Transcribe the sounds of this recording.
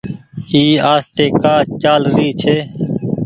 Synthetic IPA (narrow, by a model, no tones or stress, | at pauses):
iːaːst̪eːkaːt͡ʃaːlɾiːt͡ʃʰeː